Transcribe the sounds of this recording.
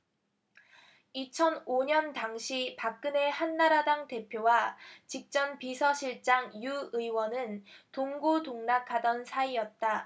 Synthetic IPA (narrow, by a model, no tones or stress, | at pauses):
it͡ɕʰʌnoɲʌntaŋɕʰipak̚k͈ɯne̞hanːaɾadaŋte̞pʰjowat͡ɕik̚t͡ɕ͈ʌnpisʰʌɕʰiɭt͡ɕ͈aŋjuɯiwʌnɯntoŋɡodoŋnakʰadʌnsʰaijʌt̚t͈a